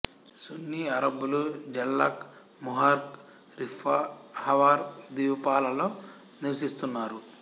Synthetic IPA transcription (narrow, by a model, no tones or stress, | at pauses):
sunːiɐɾɐbːulud͡ʒɐlːɐ̰k | muɦaɾk | ɾifʰahɐʋaːɾd̪iːʋɐpaːlɐlo̞ː | niɾɐsist̪unːaːɾu